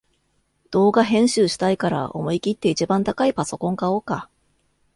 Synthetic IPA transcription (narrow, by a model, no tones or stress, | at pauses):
d̪̥o̞ːɡaɦẽ̞ɰ̃ɕɨːɕi̥t̪aikaɾa̰ʔo̞̰moikʲit̪ːe̞it͡ɕibãnt̪akaipaso̞kõ̞ŋkao̞ːka